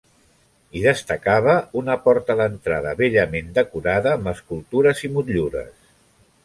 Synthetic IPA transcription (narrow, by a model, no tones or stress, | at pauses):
iðəst̪əkaβ̞əunəpɔɾt̪əðənt̪ɾaðəβeʎəmend̪əkuɾaðəːməskulˠt̪uɾəzimut̪ʎuɾə̰s